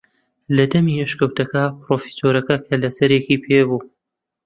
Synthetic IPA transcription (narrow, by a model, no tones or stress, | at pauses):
lɐd̪ɐmiɛʃkɐwt̪ɐkɐpɾoːfi̥soːɾɐkɐkʰɐlɐsɐɾekiːpʰebuː